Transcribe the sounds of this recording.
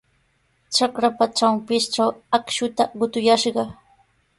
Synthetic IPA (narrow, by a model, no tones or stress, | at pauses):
t͡ʃakɾapat͡ʃampɪsʈ͡ʂawakʃʊt̪aɢʊt̪ʊjaʃɢɑ